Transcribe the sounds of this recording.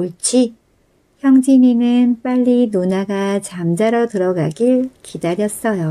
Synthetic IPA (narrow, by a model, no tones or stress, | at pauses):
oɭt͡ɕ͈ʰi | çjʌŋd͡ʑiminɯnp͈aʎːinonaɡat͡ɕamd͡ʑaɾotɯɾʌɡaɡiɭkʰidaɾjʌs͈ʌjo